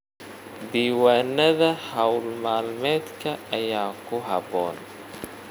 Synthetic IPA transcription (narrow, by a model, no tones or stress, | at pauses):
d̪iːwaːnːɐðɐhɐwlmaːlmɛːd̪kʰɐɐjaːkʰʊɦɐβɔːn